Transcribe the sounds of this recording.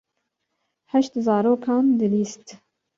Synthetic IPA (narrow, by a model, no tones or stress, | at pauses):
hɛʃt̪zɑːɾoːkʰɑːnd̪ɨliːst̪